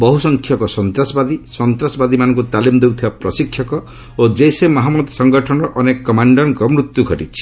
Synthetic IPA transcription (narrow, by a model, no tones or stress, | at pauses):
bɔɦusɔŋkʰjɔkɔsɔnt̪ɾasɔbad̪isɔnt̪ɾasɔbad̪imanɔŋkut̪alimd̪ewt̪ʰibapɾɔsikʰjɔkɔ | od͡ʒejsemɔɦamɔd̪sɔŋɡɔʈʰɔnɔʔɔnekɔkɔmaɳɖɔɾɡɔmɾut̪ːjuɡʱɔʈit͡ʃʰi̥